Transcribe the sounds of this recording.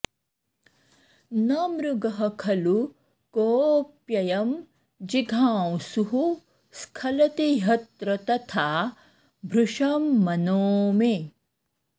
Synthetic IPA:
nɐmɾuɡɐɦɐkʰɐlu | koːpjɐjɐm | d͡ʒiɡʱaːwsuɦu | skʰɐlɐt̪iɦɐt̪ɾɐt̪ɐt̪ʰaː | bʱɾuʂɐmːɐnoːme

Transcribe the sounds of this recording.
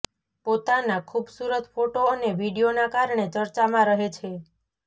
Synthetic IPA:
pot̪anakʰubsuɾət̪foʈoəneʋiɖionakaɾɳ̃et͡ʃəɾt͡ʃamãɾəɦet͡ʃʰe

